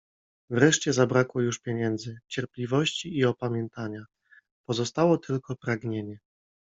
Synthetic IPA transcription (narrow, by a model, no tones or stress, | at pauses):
vɾɛʂt͡ɕɛzabɾakwɔjuʂpʲjɛɲɛnd̪zɘt͡ɕɛɾplʲivɔɕt͡ɕiːɔpamʲjɛnt̪aɲa | pɔzɔst̪awɔt̪ʰɘlkɔpɾaɡɲeɲɛ